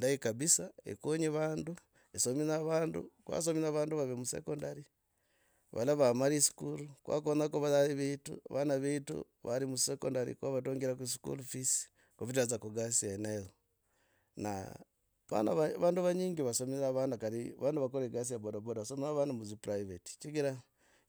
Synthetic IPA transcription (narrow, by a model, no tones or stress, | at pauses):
ndaikaβisaḛkoɲiβaːndu | esominaβaːndṵkwa̰s̬ominaβaːnduβaβemusḛkondaɾi | βa̰laβamaɾisi̥kulukwa̰konakuβalaliβitṵa̰βanaβiːtṵ | βa̰ɾimuseko̰ndaɾḭkwaβatoːŋɡiɾakwisi̥kṵlufisi̥ | kuβit̬azakuɡasianelo | na̰ | βa̰na̰βaβaːnduβaɲiːŋɡiβasominaβaːndukaɾiβaːnduβakoɾeɡas̬ijabodobodaβasominaβaːndumuzipuɾaiβeti̥t͡ʃiɡiɾa